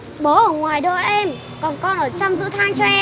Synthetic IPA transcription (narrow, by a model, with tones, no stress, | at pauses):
ɓo˨˦ʔəː˧˩ŋwaː˨˩jɗə̰ː˧˨ʔɛ˧m | kɔ˨˩nkɔ˧nʔəː˧˩t͡ɕɔ˧wŋ͡mzɨ̰˧˥t̪ʰaː˧ŋt͡ɕɔ˧ʔɛ˧